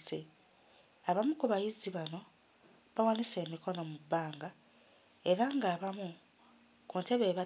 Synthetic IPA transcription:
se | aβamukuβajiziβano̞ | βawanise̞ːmiko̞no̞mubːaːŋɡa | e̞ɾaŋɡaːβamu | kunte̞βe̞ːβa

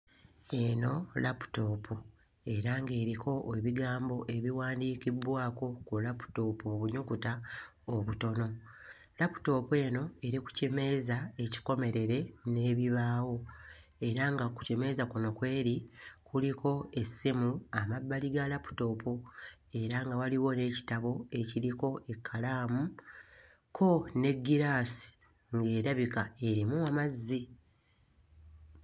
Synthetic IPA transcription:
e̞no̞lapu̥to̞ːpʰu | e̞ɾaŋɡe̞ːɾikʰo̞ʔeβiɡaːmbo̞ʔe̞βiwaːndiːkibwaːko̞kulapu̥to̞ːpuβuɲokuta | oβuto̞no̞ | lapu̥to̞ːpue̞ːno̞e̞ɾiku̥ceme̞zae̞ci̥ko̞me̞ɾe̞ɾe̞ne̞ːβiβaːwo̞ | e̞ɾaŋɡaku̥ceme̞zakuno̞kwe̞ːɾikulikʰo̞e̞sːimuamabːaliɡalapu̥to̞ːpʰo | e̞ɾaŋɡawaliwo̞ne̞ːci̥taβo̞e̞ciɾiko̞e̞kʰːalaːmu | kʰo̞ne̞ɡːiɾasi̥ | ŋɡe̞ːɾaβikae̞ɾimuamazːi

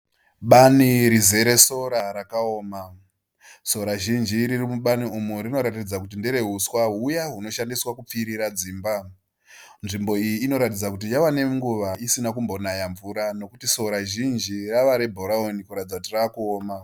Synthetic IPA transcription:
ɓaniɾize̞ɾe̞so̞ɾaɾakao̞ːma | so̞ɾaʒind͡ʒiɾirimuɓaniumuɾino̞ɾatid͡zakutindeɾe̞ɦuswaɦujaɦuno̞ʃandiswakup͡fiɾiɾad͡ziːmba | nʐimbo̞ijiːno̞ɾatid͡zakutijawane̞ŋɡuʋaisinakumbo̞najaɱvuɾano̞kutiso̞ɾaʒind͡ʒiraʋaɾe̞bʱoɾaonikuɾatid͡zakutiraːkuoːma

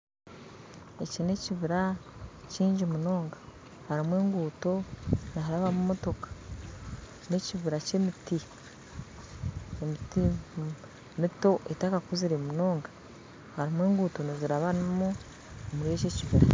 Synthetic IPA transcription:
ecine̞ciβiɾaciːɲɟimuno̞ːŋɡḁ | haɾimwe̞ːŋɡuːto̞naɦaɾaβamumoto̞kḁ | ne̞ciβiɾacemiti | emiti | mito̞ʔetakakuziɾemuno̞ːŋɡa | haɾimweːŋɡuːto̞niziɾaβanimu | omuɾijececiβiɾa

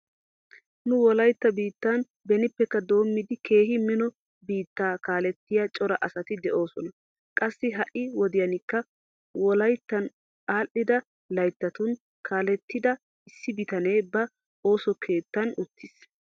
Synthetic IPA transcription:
nʊwɔlɐjt̪ːɐbiːt̪ːan | bɛnɪpːɛkːɐd̪o̞ːmːɪd̪ɪkʰe̞ːɦɪmɪnɔ | biːt̪ːaːkaːlɛt̪ːɪjɐt͡ʃʼɔɾɐʔɐsɐt̪ɪd̪ɛʔo̞ːsɔnɐ | kʼɐsːɪɦɐʔɪwɔd̪ɪjɐnɪkːɐ | wɔlɐjt̪ːɐn | ʔaːʔːɪd̪ɐ | lɐjt̪ːɐt̪ʊn | kʰaːlɛt̪ːɪd̪ɐ | ɪsːɪbɪt̪ɐne̞ːbɐ | o̞ːsɔkʰe̞ːt̪ːɐnʊt̪ʰːɪs

